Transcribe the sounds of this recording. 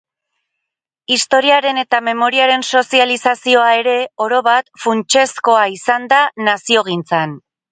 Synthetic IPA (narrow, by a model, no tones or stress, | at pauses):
ist̪o̞ɾiaɾe̞ne̞t̪ame̞mo̞ɾiaɾe̞nso̞sialisasio̞ae̞ɾe̞o̞ɾo̞βat̪funt͡ʃe̞sko̞aisand̪anasio̞ɣ̞int͡san